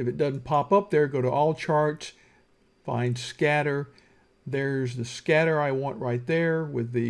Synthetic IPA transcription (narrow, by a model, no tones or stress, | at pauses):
ɨfɨt̚d̥ʌzn̩pʰɑpʌp̚ðə˞ɡoʊɾəʔɔlˠt͡ʃʰɑɹts | fã̰ɪ̃nd̥skæɾə˞ | ðə˞zðɨskæɾə˞aɪwɑ̃nʔɹaɪt̪̚ðə˞wɪðɨ